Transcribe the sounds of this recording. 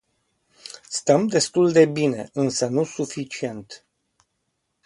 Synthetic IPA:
st̪əmd̪e̞st̪uld̪e̞bine̞̰ɨnsənusufit͡ʃie̞nt̪

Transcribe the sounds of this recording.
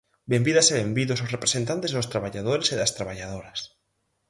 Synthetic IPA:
bembiðaseβembiðososrepɾesent̪ant̪ezðʊst̪ɾaβaʎað̞oɾeseðɐst̪ɾaβaʎaðoɾɐs

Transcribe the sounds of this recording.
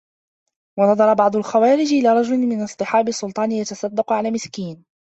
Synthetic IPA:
wɑnɑðˤɑɾˤɑbɑʕd̪ˤʊlxawaːɾɪd͡ʒʔɪlaːɾˤɑd͡ʒʊlɪmɪnɑsˤt̪ɨħɑːbɪsːʊlt̪ˤɑːnɪjat̪ɑsˤɑd̪ːɑqʊʕalaːmɪskiːn

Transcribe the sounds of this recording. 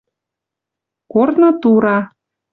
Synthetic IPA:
kornɤ̆t̪uɾɑ

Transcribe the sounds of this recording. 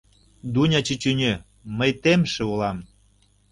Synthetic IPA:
d̪unʲɑt͡ɕit͡ɕynʲø | məjt̪emʃĕulɑm

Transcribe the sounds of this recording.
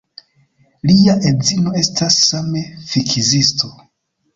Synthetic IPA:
liaʔezino̞e̞stasːame̞fikʰizisto

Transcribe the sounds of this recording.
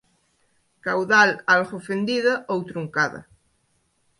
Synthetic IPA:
kawðalalɣofend̪iðaʔowt̪ɾuŋkaða̰

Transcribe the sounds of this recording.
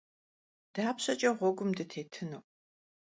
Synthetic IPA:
d̥aːpɕɐt͡ʃʼɐʁʷɔɡʷʊmdɨtʰeːtʰɨnɨw

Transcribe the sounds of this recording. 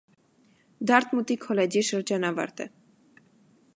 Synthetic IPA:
d̪ɑɾt̪mut̪ikʰɔlɛd͡ʒiʃəɾd͡ʒɑnɑvɑ̰ɾt̪ɛ̰

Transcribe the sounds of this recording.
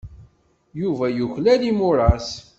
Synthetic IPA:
juvæjuçlælimʊɾˤɑs

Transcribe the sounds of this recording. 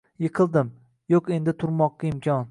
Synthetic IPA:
jɨqʰɨlˠd̪ɪm | joqe̞nd̪ɪt̪ʰʊɾmɒqːɑɪmkʲʰɒn

